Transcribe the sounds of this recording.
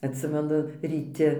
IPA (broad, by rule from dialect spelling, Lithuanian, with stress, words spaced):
ɐtʲˈsʲɪmʲɛnʊ rʲiːˈtʲɪ